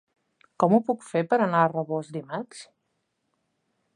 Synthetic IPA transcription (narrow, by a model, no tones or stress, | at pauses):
kɔmupukfepəɾənaərəβozd̪imat͡ʃ